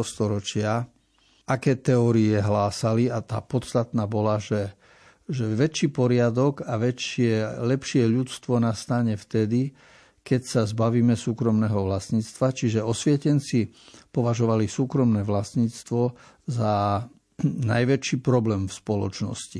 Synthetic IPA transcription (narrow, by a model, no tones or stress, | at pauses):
ɔst̪ɔɾɔt͡ʃɪa | akɛːt̪ɛɔːɾiɛɦlaːsaliat̪a̰ːpɔt̪st̪at̪naːbɔlaʒɛ | ʒɛʋɛt͡ʃiːpɔɾɪad̪ɔɡaʋɛt͡ʃɪɛlɛpʃɪɛʎut͡st̪ʋɔnast̪aɲɛft̪ɛd̪i | kɛcsazbaʋiːmɛsuːkɾɔmnɛːɦɔʋlasɲiːt͡st̪ʋat͡ʃiʒɛɔsʋjɛcɛnt͡sipɔʋaʒɔʋalisuːkɾɔmnɛːʋlasɲiːt͡st̪ʋɔ | za | na̰jʋɛt͡ʃiːpɾɔblɛːmfspɔlɔ̰t͡ʃnɔ̰sci